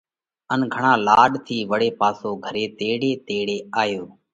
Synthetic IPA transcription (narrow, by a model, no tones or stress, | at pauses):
ənɡʱəɳãːlaːɗt̪ʰiːʋəɽeːpaːsoːɡʱəɾeːt̪eːɽeːt̪eːɽeːaːjoː